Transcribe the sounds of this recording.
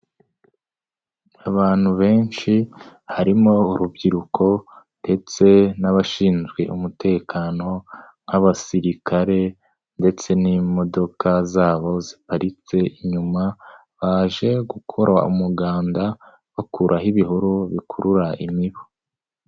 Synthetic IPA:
aβaːn̥huβe̞ːnʃihaɾimo̞uɾubɟiɾukʰo̞nde̞t͡se̞naβaʃiːnzɡwḛʔumute̞ːkʰaːno̞ | n̥haβasiɾikʰaɾe̞ | nde̞t͡se̞nimo̞do̞kʰazaːβo̞zipaɾit͡se̞ʔiɲuma | βaːʒe̞ɡukʰo̞ɾʔa̰ṵmuɡaːnda | βakuɾʔaɦiβiɦuɾuβikʰuɾuɾaʔimiβo

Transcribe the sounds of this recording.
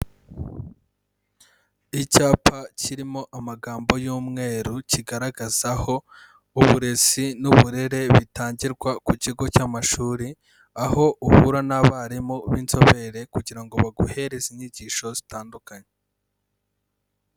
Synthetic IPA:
icaːpaciɾimo̞ʔamaɡaːmbo̞juːmŋe̞ɾuciɡaɾaɡaz̥aho̞ | uβuɾe̞zinuβuɾe̞ɾe̞βitaːɲɟiɾɡwakuciɡo̞caːmaʃuːɾi | aho̞ʔuhuɾanaβaɾimoβiːnzo̞βe̞ɾe̞kuɟiɾaŋɡo̞βaɡuhe̞ɾeziɲiɟiːʃo̞zitaːndukaɲe

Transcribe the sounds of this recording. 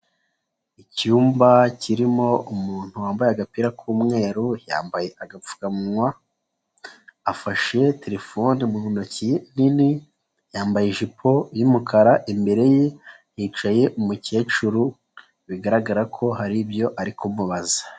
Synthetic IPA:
icuːmbacʰiɾimo̞umuːn̥huwaːmbajaɡapiɾakʰuːmŋe̞ːɾuja̰ːmbaje̞ʔaɡap͡fu̥kamwa | faʃe̞tʰeɾe̞fonimuunocinini | jaːmbajeʒipʰo̞jimukʰaɾaʔimbe̞ɾe̞je | jiːt͡ʃaje̞ʔumuce̞ːt͡ʃuɾu | βiɡaɾaɡaɾakʰo̞ɦaɾibjo̞ʔaɾikʰomuβazḁ

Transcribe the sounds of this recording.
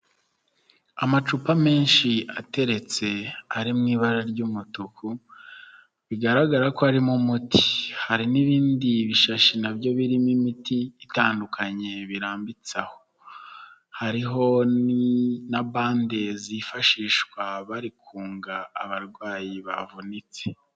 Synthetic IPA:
amat͡ʃupame̞ːnʃiate̞ɾe̞t͡se̞aɾimŋiːβaɾaɾɟumutuku | βiɡaɾaɡaɾakoaɾimumutʰi̥haɾiniβiːndiβiʃaʃinabɟo̞βiɾimimitiːtaːndukaɲe̞βiɾaːmbit͡saho̞ | haɾiɦo̞ninaβaːndezifaʃiːʃkwaβaɾikʰuːŋɡaːβaɾɡwaːjiβa̰vunit͡se̥

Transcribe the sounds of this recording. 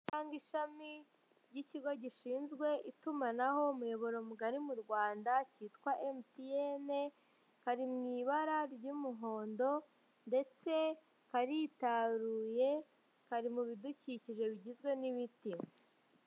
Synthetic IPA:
taːŋɡiʃami | ɾɟiciɡo̞ɟiʃiːnzɡwe̞ʔitumanaɦo̞mujo̞βo̞ɾo̞muɡaɾimuɾɡwaːndaciːtkwaʔemtiene | kaɾimŋiːβaɾaɾɟumuɦo̞ːndo̞ | nde̞t͡se̞ | kaɾitaɾuːje̞ | kaɾimuβiduciciʒe̞βiɟizɡwe̞niβiti

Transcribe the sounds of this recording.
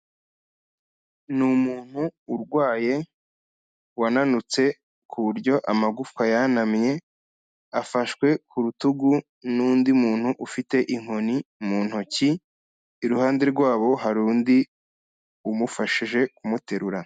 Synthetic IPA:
numuːn̥huːɾɡwaːje̞ | wananut͡se̞ | kʰuβuɾɟo̞ʔamaɡufkajanamɲe̞ | afaʃkwe̞kuɾutuɡu | nuːndiumuːn̥huʔufite̞ʔiŋ̥ho̞nimuːn̥hociː | ɾuhaːnde̞ɾɡwaːβo̞ɦaɾuːndi | umufaʃiʒe̞kumute̞ɾuɾa

